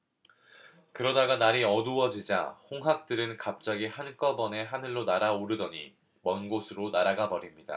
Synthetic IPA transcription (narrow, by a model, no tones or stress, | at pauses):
kɯɾʌdaɡanaɾiʌduʌd͡ʑid͡ʑa̰hoŋɦak̚t͈ɯɾɯnkap̚t͡ɕ͈aɡihank͈ʌbʌne̞ɦanɯɭːonaɾaoɾɯdʌɲi | mʌnɡosʰɯɾonaɾaɡabʌɾimɲida̰